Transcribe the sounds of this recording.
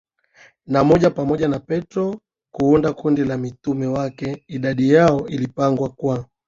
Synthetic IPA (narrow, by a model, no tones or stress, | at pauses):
namɔʄapamɔʄanapɛtɾɔ | kuːndakundilamitumɛwakɛiɗaɗijaɔʔilipaŋɡwakwa